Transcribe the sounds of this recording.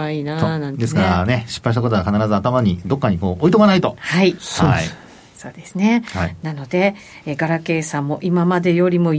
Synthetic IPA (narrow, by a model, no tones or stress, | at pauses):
ainanãd̪e̞sɨkaɾane̞ɕi̥pːaiɕ̬t̪akot̪oakanaɾazɨat̪amaɲ̟id̪o̞kːaɲ̟iko̞ːʔoit̪oanait̪o̞haihi | so̞̰ːd̪e̞sɨne̞hainano̞d̪e̞ | ɡaɾake̞ːsãmːo̞ʔimamad̪e̞jo̞ɾʲimo̞